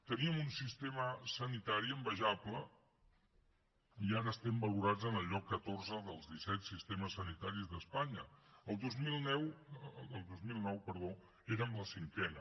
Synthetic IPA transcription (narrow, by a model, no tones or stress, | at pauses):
t̪əniəmunsist̪eməsənit̪aɾiəmbəʒaplə | iaɾəːst̪ɛmbəluɾad͡zənəʎɔkːət̪orzəðəlˠzðisɛt̪sist̪eməsːənit̪aɾizðəspaɲəəlˠd̪ozmilˠnɛwəlˠd̪ozmilˠnɔwpəɾð̞o | eɾəmləsiŋkɛnə